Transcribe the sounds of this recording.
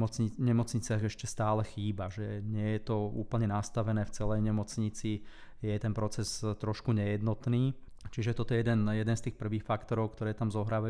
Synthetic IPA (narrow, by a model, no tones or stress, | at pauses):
ɔt͡sɲiɲɛmɔt͡sɲit͡sɪaɣɛʃcɛst̪aːlɛxiːbaʒɛɲɪɛjɛt̪ɔṵːpl̩ɲɛnast̪aʋɛnɛːft͡sɛlɛjɲɛmɔt͡sɲit͡si | jɛt̪ɛnpɾɔt͡sɛzt̪ɾɔʃkuɲɛjɛd̪nɔt̪niː | t͡ʃiʒɛt̪ɔt̪ɔjɛjɛd̪ɛnjɛd̪ɛnst̪iːxpr̩ʋiːxfakt̪ɔɾɔʊkt̪ɔɾɛːt̪amzɔɦɾaːʋaj